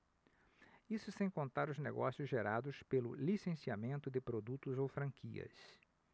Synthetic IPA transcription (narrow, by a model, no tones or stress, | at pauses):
isʊsẽj̃kõnt̪aɾʊzneɡɔsjʊzʒeɾad̪ʊspelʊ̰lisẽsiamẽnt̪ʊd̪ɪpɾod̪ut̪ʊzowfɾɐ̃ŋkʰiɐ̰s